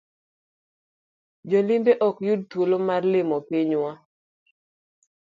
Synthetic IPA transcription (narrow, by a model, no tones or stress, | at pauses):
d͡ʒɔlɪmbeʔɔkjud̚twolomarlɪmɔpiɲwa